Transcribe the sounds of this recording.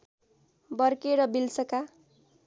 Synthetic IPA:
bʌrkeɾʌbilt͡sʌka

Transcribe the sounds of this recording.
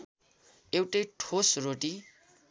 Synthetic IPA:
ewʈʌjʈʰosroʈi

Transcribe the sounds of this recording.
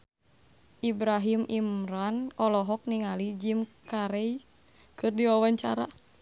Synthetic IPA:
ʔibɾaɦimimɾanɔlɔɦɔk̚niŋalid͡ʒimkaɾɛi | kɨrdiwawaɲt͡ʃa̰ɾa̰

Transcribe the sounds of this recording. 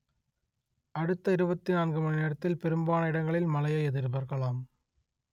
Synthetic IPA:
ʔɐɽɯt̪ːɐɪɾɯbɐt̪ːɪnaːnɡɯmɐnɪnɛɽɐt̪ːɪlpɛɾɯmbaːnɐɪɽɐŋɡɐɭɪlmɐlɐjɐɛðɪɾbɐɾɣɐɭaːm

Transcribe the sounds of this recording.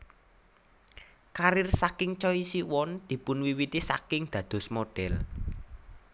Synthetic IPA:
kaɾɪrsakɪŋt͡ʃɔisiwɔnd̪̥i̤pʊnwiwit̪isa̰kɪŋd̪̥ä̤d̪̥ɔ̤smoɖ̥ɛl

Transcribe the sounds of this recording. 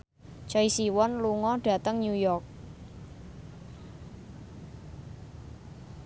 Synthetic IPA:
t͡ʃɔisiwɔnluŋɔɖ̥a̤t̪əŋɲujɔrk̚

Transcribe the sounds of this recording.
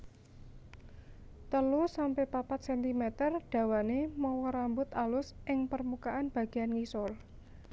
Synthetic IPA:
t̪əlusampɛhpapat̪̚sɛnt̪imet̪ərɖ̥ä̤wanemɔwɔɾambʊt̪alʊsʔɪŋpərmukaanb̥ä̤ɡ̥i̤ankisʊl

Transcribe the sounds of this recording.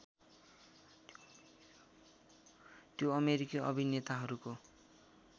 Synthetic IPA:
t̪joʌmeɾikiʔʌ̰bʱinet̪aɦʌɾuko

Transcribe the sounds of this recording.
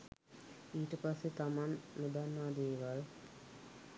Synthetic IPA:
iːʈəpasːet̪amanːud̪anːaːd̪eːʋal

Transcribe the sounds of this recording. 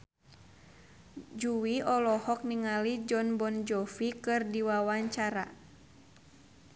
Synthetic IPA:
d͡ʒuwiɔlɔhɔk̚niŋalid͡ʒɔnbɔnd͡ʒɔfikɨrdiwawaɲt͡ʃaɾa̰

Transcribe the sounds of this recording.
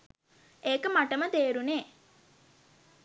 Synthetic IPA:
eːkəmaʈəmət̪eːɾuneː

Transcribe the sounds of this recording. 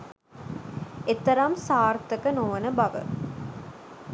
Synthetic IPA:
et̪ːɐɾamsaːɾt̪ːɐkɐnoːʋɐnəbɐʋə̰

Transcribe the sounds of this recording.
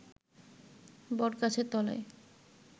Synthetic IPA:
bɔɾkat͡ɕʰet̪ɔlḛj

